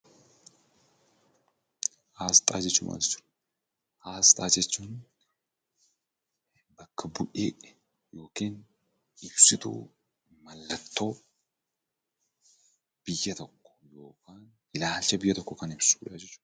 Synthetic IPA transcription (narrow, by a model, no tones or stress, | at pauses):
ʔaːst̪ʼa̰ːd͡ʒɛt͡ʃːʊmʔa̰d͡ʒɛt͡ʃːʊ̥ | aːst̪ʼaːd͡ʒɛt͡ʃːʊn | bɐkːɐbʊʔe | jo̞ːken | ɪbsɪt̪ṵ | mɐlːɐt̪ʰːo | b̥ɪjːɐt̪ɔkːɔ̥joːkan | ɪlaːlt͡ʃːɛbɪjːɛt̪ɔkːɔkɐnɪbsujaːd͡ʒɛt͡ʃːʊ̥